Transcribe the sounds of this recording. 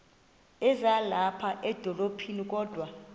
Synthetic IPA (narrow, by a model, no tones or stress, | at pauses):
ɛzalapʰaʔɛd̥ʱɔlopʰinikʼɔːd̥ʱwa